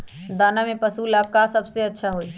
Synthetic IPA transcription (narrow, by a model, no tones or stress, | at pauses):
d̪aːnamepəsulakasəbseətːʃʰaɦoi